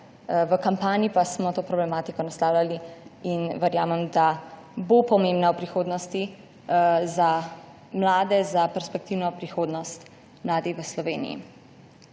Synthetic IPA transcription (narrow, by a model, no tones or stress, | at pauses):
ʋəkampaːnipasmɔt̪oːpɾɔblɛmaːt̪ikɔnast̪aːwlʲaliinʋɛɾjaːmɛmd̪a | bopɔmẽmbnawpɾixoːd̪nɔst̪i | za | mlaːd̪ɛzapɛɾspɛkt̪iwnɔpɾixoːd̪nɔst̪ | mlaːd̪iʋəslɔʋeːnḭjḭ